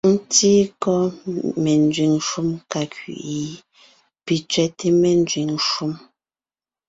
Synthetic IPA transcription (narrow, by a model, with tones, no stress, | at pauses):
n̩˦ti˦kɔ˦mɛ˨n˦d͡zɥi˨ŋʃu˦mka˨kɥḭ˨ʔi˨˦ | pi˨t͡ʃɥɛ˦te˦mɛ˨n˦d͡zɥi˨ŋʃu˦m